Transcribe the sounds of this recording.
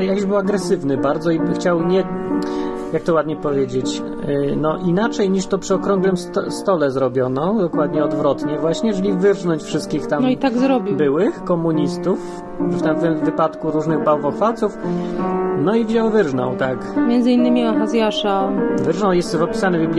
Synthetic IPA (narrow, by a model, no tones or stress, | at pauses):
jakɔʑbɘwaɡɾɛsɘvnɘbaɾd̪zɔixt͡ɕawɲɛ | jak̚t̪ɔwad̪ɲɛpɔvʲjed͡ʑet͡ɕ | nɔʔinat͡ʂɛjɲiʂt̪ɔpʂɘɔkɾɔ̃ŋɡlɘmst̪st̪ɔlɛzɾɔbʲjɔnɔ̃d̪ɔkwad̪ɲɛɔd̪vɾɔt̪ɲɛvwaɕɲɛjɛʐɛlʲivɘɾʐnɔɲt͡ɕfʂɘst̪kʲixt̪amnɔit̪aɡzɾɔbʲibɘwɘxkɔmuɲist̪uf | ft̪ɛmvɛmvɘpat̪kuɾuʐnɘɣbawvɔxfalt̪suf | nɔivʑawvɘɾʐnɔ̰̃wt̪akmʲjɛnd̪zɘinːɘmʲiaxazʲjaʂavɘɾʐnɔwjɛst̪vɔpʲi̥sanɘvbʲiblʲ